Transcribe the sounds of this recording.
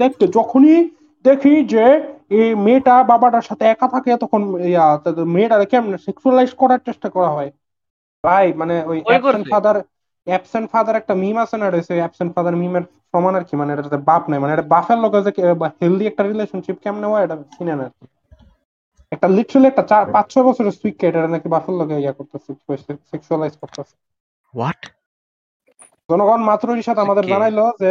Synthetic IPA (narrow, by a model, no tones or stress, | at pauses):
d̪ekʰt̪ed͡ʑɔkʰoni | d̪ekʰid͡ʑeemeʈababaʈaɾʃat̪ʰeɛkat̪ʰaket̪ɔkʰonejat̪ameʈaɾkɛmnesɛkʃualajzkɔɾaɾt͡ɕeʃʈakɔɾaɦɔe | ɾajmaneojɛeɳʈfad̪aɾ | ɛpseɳʈfad̪aɾɛk̚ʈamimasenaɾoesʰeojɛpseɳʈfad̪aɾmimeɾ | ʃɔmanaɾkimaneeʈaʈazɛbapnajmaneeʈabafelloɡezekbaheld̪iɛk̚ʈaɾileʃonʃip̚kɛmpnewaeʈasinenaɾki | ɛk̚ʈaliʈɾliɛk̚ʈat͡ɕaɾpãt͡ɕʃʰɔbɔt͡ɕʰoɾeswikːejʈeʈanakibafelːoɡeejakoɾt̪aseosekʃualajzkoɾt̪ase̥ | wɔʈ | d͡ʑɔnoɡʱɔnmat̪ɾoɾiʃat̪ʰamad̪eɾzanajloze